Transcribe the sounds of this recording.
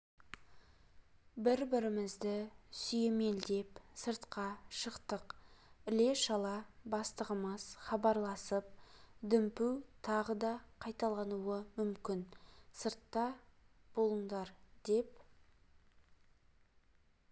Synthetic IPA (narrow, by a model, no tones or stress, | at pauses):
bɪɾbɪɾɪmɪzd̪ɪsʏje̞me̞ld̪e̞psəɾt̪qɑʃəqt̪əqɪle̞ʃɑlˠɑbɑst̪əʁəməz̥χɑbɑɾlˠɑsəp̚d̪ʏmpuwt̪ʰɑʁəd̪ɑqʰɑjt̪ɑlˠɑnuwəmʏmkʲɪnsəɾt̪ːɑ | b̥o̞lˠəɴd̪ɑɾd̪e̞p